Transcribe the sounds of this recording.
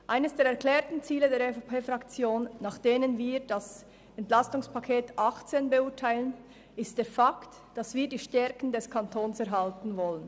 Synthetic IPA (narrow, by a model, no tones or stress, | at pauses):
ʔaɪnəsd̥eːɾɛɐklɛːɐtn̩t͡siːlədeːɐɾefopʰeːfʁakt͡sjoːnːaːχd̥eːnənviːʁd̥as | ɛntlastʊŋspʰakʰeːtʔaχt͡seːnbɛʊːɐtʰaɪlən | ɪst̚d̥eːɐfakt | d̥asv̥iːɐdiːʃtɛɾkn̩dɛskʰantʰoːnsɛɾɦaltn̩vɔlən